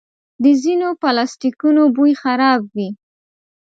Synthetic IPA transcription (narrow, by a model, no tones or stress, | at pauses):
d̪əzinopalɑstikunobujxaɾɑb̚wi